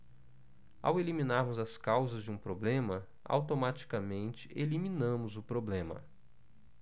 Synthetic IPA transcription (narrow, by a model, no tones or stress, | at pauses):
a̰welimĩnaɾmʊzɐskawzɐzd͡ʒɪũpɾoblẽmɐ | a̰wt̪omat͡ʃi̥kamẽnt͡ʃɪ̥ʔelimĩnɐ̃mʊzʊpɾoblẽmɐ̰